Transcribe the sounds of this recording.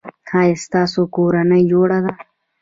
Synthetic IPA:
hɑːjest̪ɑːsokoɾanəjd͡ʒoɽad̪a

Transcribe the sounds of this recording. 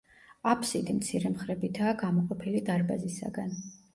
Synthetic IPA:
apʰsid̪imt̪sʰiɾɛmχɾɛbit̪ʰaːɡamɔqʼɔpʰilid̪aɾbazisa̰ɡan

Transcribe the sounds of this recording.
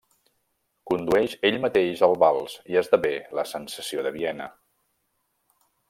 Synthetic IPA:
kund̪uɛʃeʎmət̪eʒəlˠβalˠsiəzðəβeləsənsəsioðəβiɛnə̰

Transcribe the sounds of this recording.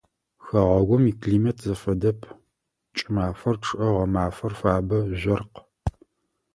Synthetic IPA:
xɐʁɐɡʷɔmiːkɮiːmɐtʰzɐfɐdɐpʰ | t͡ʃʼɪmaːfɐrʈ͡ʂʰʼɨʔɐʁɐmaːfɐrfaːbɐʒʷɐrq

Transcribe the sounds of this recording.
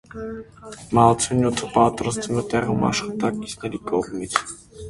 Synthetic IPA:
mɑlt͡sʰunjut̪ʰəpɑt̪ɾɑst̪vumɛt̪ɛʁumɑ̰ʃχɑt̪ɑki̥t͡sʰnɛɾikɔʁmit͡sʰ

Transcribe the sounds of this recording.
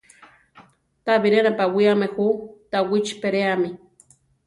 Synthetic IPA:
t̪aβiɾenapawiamexut̪awit͡ʃpeɾeami

